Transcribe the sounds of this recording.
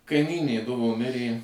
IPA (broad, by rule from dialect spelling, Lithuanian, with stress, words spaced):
kɐɪˈmʲiːnʲeː ˈdʊʋoː ˈmʲɪrʲeː